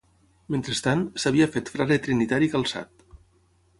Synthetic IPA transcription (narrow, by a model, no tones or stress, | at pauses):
ment̪ɾest̪ansaβ̞iafet̪fɾalet̪ɾinit̪aɾikalˠsa̰t̪̚